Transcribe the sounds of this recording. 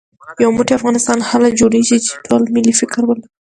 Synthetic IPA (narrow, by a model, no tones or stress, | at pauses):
jawmuʈeafɣɑnɪst̪ɑnhalad͡ʒoɽeʒit͡ʃe̥ʈʰolmɪlifɪkɾwəl